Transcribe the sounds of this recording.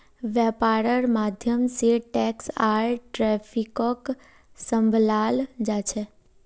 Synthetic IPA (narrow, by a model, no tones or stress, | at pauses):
ʋjɛpaɾəɾmad̪ʱjəmsiʈɛksaɾʈɾɛfʰikɔk | səmbʱlald͡ʒat͡ʃʰe